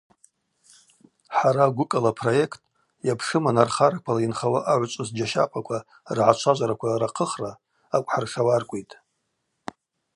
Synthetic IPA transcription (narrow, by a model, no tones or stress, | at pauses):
ħaɾaɡʷʊkʼalapʰro̞je̞kʰtʼ | japʰʂɨmanarχaɾakʷʰalainχawaʔaʕʷt͡ʃʷʼɨzd͡ʒaʃa̰pʼakʷʰa | rʕat͡ʃʷʰaʒʷaɾakʷʰaraqʰəχraː | kʷʼħarʂawarkʷʼejtʼ